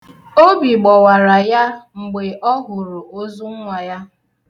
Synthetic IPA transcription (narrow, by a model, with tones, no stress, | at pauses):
o˦bi˨ɡ͡bɔ˨wa˨ɾa˨ja˦ŋ͡m̩˨ɡ͡be˨ʔɔ˦ɦʊ˨ɾʊ˨o˦zu˦ŋ̩˦ŋʷa˨ja˦